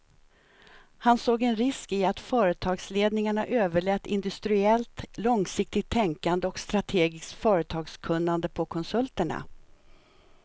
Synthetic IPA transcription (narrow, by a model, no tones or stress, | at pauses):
hansoːɡɛnɾɪskɪat̪fœːɾət̪ʰɑːɡsleːd̪nɪŋaɳaʔøːvəɭɛt̪ːɪ̰nd̪ɵst̪ɾɪɛlt̪lɔŋsɪk̚t̪ɪɡ̚t̪ʰːɛŋkand̪əɔkst̪ɾat̪ʰeːɡɪst̪fœːɾət̪ʰɑːɡskʰɵnːand̪əpʰɔkʰɔnsɵlt̪əɳa̰